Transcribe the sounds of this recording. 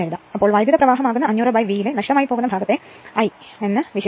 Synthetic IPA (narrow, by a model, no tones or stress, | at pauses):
ɐɾuðaɐpːo̞ːɭʋaːjd̪ʱiɐðɐprɐʋaːɦɐmaːɣunːɐɐɲːuːrɐbaːjʋiːjilenɐʂʈɐmaːjipoːɣunːɐbʱaːɡɐt̪ːe | ɐjenːɨʋiɕɐ